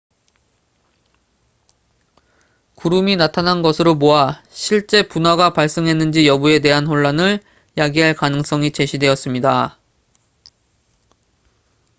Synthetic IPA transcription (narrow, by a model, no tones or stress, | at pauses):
kuɾuminatʰanɦanɡʌsʰɯɾomoaɕʰiɭt͡ɕ͈e̞punaɡapaɭs͈ɯŋɦe̞nːɯnd͡ʑijʌbue̞te̞ɦanɸoɭːanɯɭ | jaɡiɦaɭkanɯŋs͈ʌŋit͡ɕe̞ɕʰidwe̞ʌs͈ɯmɲida